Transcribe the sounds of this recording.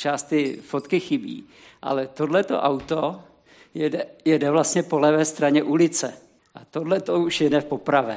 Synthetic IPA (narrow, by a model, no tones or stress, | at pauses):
t͡ʃaːst̪t̪ɪfot̪kɪxɪbḭː | ʔa̰lɛt̪o̞dlɛt̪o̞̰ʔawt̪o | jɛdɛjɛdɛvlast̪ɲɛpo̞lɛvɛːst̪ɾaɲɛʔulɪt͡sɛ | ʔat̪odlɛt̪ouʃjɛdɛfpo̞pɾavɛː